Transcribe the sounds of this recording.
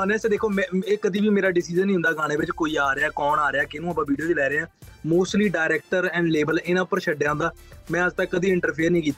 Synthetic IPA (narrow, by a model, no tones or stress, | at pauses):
ənɛːsed̪eːkʰoːmɛ̃ːeːkəd̪iːbiːmeːɾaːɖɪsiːd͡ʒənːĩːɦʊ̃nd̪aːɡaːɽ̃eːʋɪt͡ʃkoːiːaːɾeaːkɔːnaːɾeaːkɪnũːəpːãːʋiːɖijoːt͡ʃlɛːɾeːaː | moːsʈliːɖaːɪɾɛːk̚ʈəɾɛ̃ːɳɖleːbəlɪnãːʊpːəɾʃəɖːjaːɦʊ̃nd̪aː | mɛ̃ːəd͡ʒt̪əkkəd̪iːɪ̃ɳʈəɾpʰiːəɾnĩːkiːt̪a